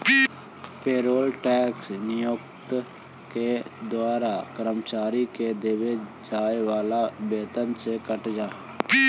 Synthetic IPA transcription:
peːɾoːlʈɛːksnɪjʊkt̪ | ked̪waːɾakəɾəmt͡ʃaːɾiked̪eʋed͡ʒaːeʋaːlabeːt̪ənsekəʈd͡ʒaː

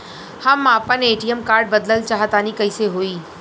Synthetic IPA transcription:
hɐmaːpəneːʈiəmkaːɾɖ̚bɐd̪ləlt͡ʃaːɦət̪aːnikɐiseɦoːiː

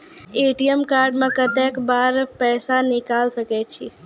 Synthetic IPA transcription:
eʈiemkaɾɖmãkət̪ekbaɾpɛsanɪkalsəket͡ʃʰi

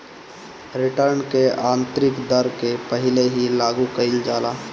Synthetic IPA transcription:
ɾɪʈəɾnkeãːnt̪ɾɪkd̪əɾkepəɦɪleɦilaːɡukəɪld͡ʒaːlaː

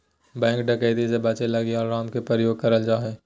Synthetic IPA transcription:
bɛ̃ːŋkɖɐkəːd̪isebaːt͡ʃelɐɡeɔːɾːaːmkepɾəɾəjoːɡ̚kɐɾəld͡ʒaːɦɛ̃ː

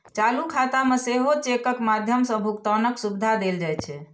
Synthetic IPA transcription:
t͡ʃalukʰat̪ameseɦot͡ʃekəkmad̪ʱjəmsə̃bʱukt̪ənəksubd̪ʱad̪eld͡ʒajt͡ʃʰɛ

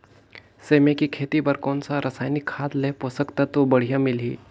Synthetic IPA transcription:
semekikʰet̪ibəɾkɔːnsaɾʔəsaːjnikʰːad̪leposəkt̪at̪obəɽ̤ijamilḭː

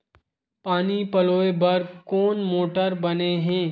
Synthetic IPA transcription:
paːnipɐloːebɐɾkɔːnmoːʈəɾbɐneɦɛ̃ː

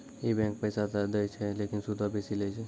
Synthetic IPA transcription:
jebɛ̃ːŋk̚pəːsat̪əd̪ət͡ʃʰɛleːkɪnsud̪ʱabʱisilet͡ʃʰɛ

